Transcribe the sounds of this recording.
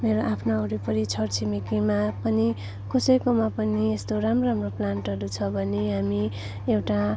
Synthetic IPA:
meɾoʔapʰnaʌɾipʌɾit͡sʰʌrt͡sʰimikimapʌni | kʰosʌjkomapʌniest̪oɾamroramroplanʈʌɾut͡sʰʌbʱʌneɦami | ewʈa

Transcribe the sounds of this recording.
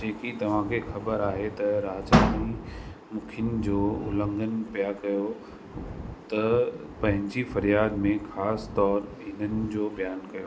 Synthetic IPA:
d͡ʑeːkit̪ɐʋ̤ãkʰexɐbəɾaːɦet̪ɐɾaːt͡ɕaːnimʊkʰɪn̆d͡ʑoːʊ̰lə̃ŋɡənpijakɐjo | t̪ɐ | pɐ̃ɦɪ̃ɲd͡ʑifɐɾijaːd̪mẽxaːst̪ɔːɾɦɪn̤ənɪ̆d͡ʑoːbʱijaːnkɐjoː

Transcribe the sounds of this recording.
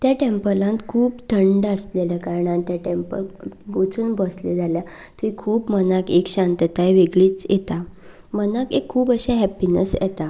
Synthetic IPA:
t̪jaʈempəlãnt̪kʰuːbt̪ʰəɳɖəsleləkaɾəɳ̃ãnt̪jaʈempə̰lɡot͡suːnbɔsled͡zʱalja | t̪ĩkʰuːbmənakekɕãnt̪ət̪ajʋeɡɭiːt͡sjɛ̰t̪a | mənakekʰːuːbəɕaɦɛpinə̰sjɛ̰t̪a

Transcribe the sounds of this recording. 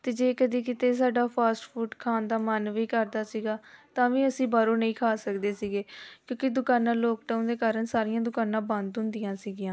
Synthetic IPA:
t̪eːd͡ʒeːkəd̪iːkɪt̪eːs̬aːɖaːpʰaːsʈfʰuːʈkʰaːnd̪aːmənʋiːkəɾd̪aːsiːɡaːt̪ãːʋĩːəsĩːbaːɾoːnəĩːkʰaːsəkd̪eːsiːɡeːkjõːkɪd̪ʊkaːnãːloːkʈaũːnd̪eːkaːɾəɳsaːɾɪjãːd̪ʊkaːnãːbə̃nd̪ɦʊ̃nd̪ɪjãːsiːɡɪjãː

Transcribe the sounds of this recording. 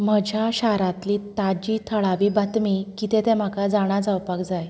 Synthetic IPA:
m̤əd͡ʑʱjaɕaɾãt̪lit̪ad͡ʑiːt̪ʰəɭaʋiːbat̪mikit̪ɛt̪ɛ̃m̤akad͡zaɽ̃ad͡zawpakd͡zaj

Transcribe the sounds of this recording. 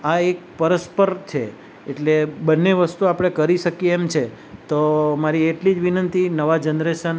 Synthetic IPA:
aek̚pəɾəspəɾt͡ʃʰḛː | ʈlebənːeʋəst̪uapɽ̃ekəɾiʃəkieːmt͡ʃʰe | t̪omaɾieʈlid͡ʒʋinənt̪inəʋad͡ʒənɾeʃən

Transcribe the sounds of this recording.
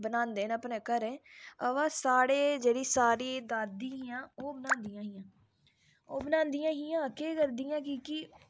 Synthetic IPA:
bənãːnd̪eːnəpnẽːkəɾẽːəʋãːsaːɽeːd͡ʒeːɽiːsaːɾiːd̪aːd̪iːɦiːãːoːbənãːnd̪ijãːɦiːãː | oːbənãːnd̪ijãːɦiãːkeːkəɾd̪iːãːkikɪ

